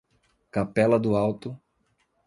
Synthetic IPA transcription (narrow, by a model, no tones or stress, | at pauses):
kapɛlɐd̪ʊawt̪ʊ